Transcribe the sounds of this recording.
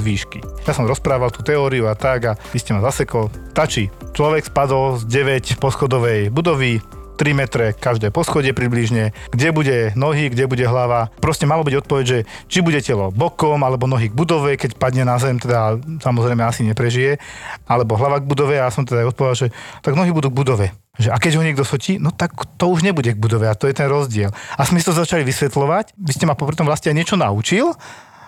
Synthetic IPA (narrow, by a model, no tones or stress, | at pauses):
zʋiːʃkijasɔmɾɔspɾaːʋalt̪uːt̪ɛɔːɾiuat̪aɡaʋiscɛmazasɛkɔlt̪at͡ʃit͡ʃlɔʋɛkspad̪ɔlzɟɛʋɛcpɔsxɔd̪ɔʋɛjbud̪ɔʋit̪ɾimɛt̪ɾɛkkaʒd̪ɛjpɔsxɔɟɛpɾibliʒɲɛ | ɡɟɛbuɟɛnɔɦiɡɟɛbuɟɛɦlaʋapɾɔscɛmalɔbiɟɔt̪̚pɔʋɛɟʒɛ | t͡ʃibuɟɛcɛlɔbɔkɔmalɛbɔnɔɦiːɡ̚bud̪ɔʋɛkɛcpad̪ɲɛnazɛmt̪ɛd̪asamɔzɾɛɪmɛasiɲɛpɾɛʒijɛalɛbɔɦlaʋaɡbud̪ɔʋɛasɔmt̪ɛd̪ajɔt̪̚pɔʋɛd̪aʒɛt̪aɡnɔɦiːbud̪uːɡbud̪ɔʋɛ | ʒɛʔakɛɟɦɔɲɪɛɡd̪ɔsɔcʰinɔt̪akt̪ɔuʒɲɛbuɟɛɡbud̪ɔʋɛat̪ɔjɛt̪ɛnɾɔzɟɪɛlasmɛsit̪ɔzat͡ʃaliʋisʋɛt̪lɔʋacʋiscɛmapɔpɾit̪ɔmʋlascɛajɲɪɛt͡ʃɔnaut͡ʃil